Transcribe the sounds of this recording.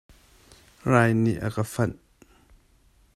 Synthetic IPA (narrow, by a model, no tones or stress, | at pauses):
raːjniʔakəfɐn